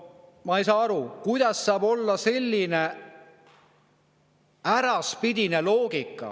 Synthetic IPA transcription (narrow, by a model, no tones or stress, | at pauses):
mɑejs̬ɑːɑɾukujd̪̥ɑsːɑːbo̞lːɑse̞lʲːine̞ | æɾɑspid̪ine̞lo̞ːɡikːˑɑ̰